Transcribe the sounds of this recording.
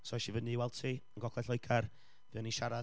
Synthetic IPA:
sɔʃivəniwɛlˠtʰiːənɡɔkʰlɛɬɔjɡʰar | vɨɔniʃaɾa

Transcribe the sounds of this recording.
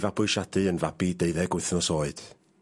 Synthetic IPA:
vabʊɨʃadɨənvabideɨðɛɡwɪθnɔsoːɨd̥

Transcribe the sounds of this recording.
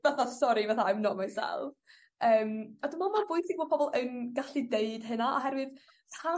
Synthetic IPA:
vaθasɔɾivaθaamnɔmajsɛ̰lˠv | əːmadɪmamarvʊɨθiɡvɔːd̚pʰɔbɔlˠənɡaɬideɨd̥ɦɨnaa̰ɦɛrwɨð | pʰa

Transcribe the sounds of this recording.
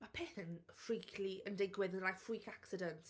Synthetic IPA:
mapʰɛθənfɾiːkʰliəndɪɡwɪðənlajfɹiːkʰaksɪdənt

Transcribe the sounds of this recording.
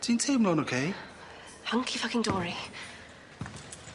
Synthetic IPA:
tʰĩntʰẽmlɔ̃nokʰe | hãŋkʰifakɪ̃ŋdɔːɹi

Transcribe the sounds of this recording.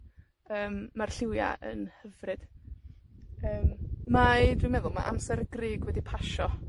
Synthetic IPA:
əːmːarɬɪwja̰ʔə̰nhəvrɨd̥ | əːmmajdwɪmɛðʊlˠmaʔamsɛɾɡrɪːɡwɛdipʰaʃɔ

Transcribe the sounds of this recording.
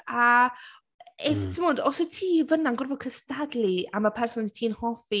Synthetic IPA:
a | ɛftʰɪmoːdɔsɔtʰiːvənanɡʊrvɔkʰəstadlˠiamapʰɛrsɔnitʰiːnhɔfi

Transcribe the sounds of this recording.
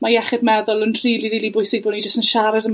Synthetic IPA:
majɛχɛdmɛðʊlˠənr̥iːlˠililibʊjsɪɡ̚bʊnid͡ʒəstənʃaɾɛsəm

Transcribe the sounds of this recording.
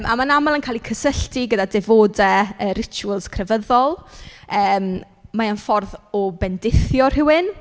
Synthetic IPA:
mʔa̰manamalˠənkʰaːlikʰəsəɬtʰiɡədadevoːdəəɾɪt͡ʃʰuəlˠskʰrɛvəðɔlˠəːm | mːaanfɔrðɔbɛndɪθjɔr̥ɪwɨn

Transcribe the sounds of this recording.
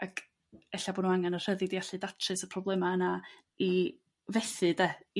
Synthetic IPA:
akʰ | ɛɬaboːnunaŋɛnər̥əðɪdijaɬɨdatʰrɨsəpʰrɔblˠɛmaəna | i | vɛθɨdɛ

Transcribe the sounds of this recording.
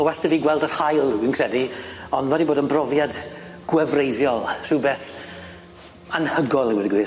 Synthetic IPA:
əwɛstəviːɡwɛlˠdərhajlˠwinkʰr̥ɛdiɔnvɛdiboːdənbrɔvjad | ɡ̥wɛvrejðjɔlˠr̥ɨwbeːθ | anhəɡɔlˠəwɛdiɡwiː

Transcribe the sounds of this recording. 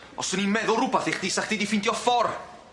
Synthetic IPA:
ɔ̰səninmɛðʊɾʊbaθeχd̥iːsaχd̥idifɪntjɔfɔr

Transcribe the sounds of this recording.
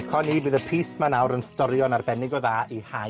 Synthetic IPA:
kʰɔnibɨðəpʰiːsmanawɾənstɔɾjɔnarbɛnɪɡɔðaːiha

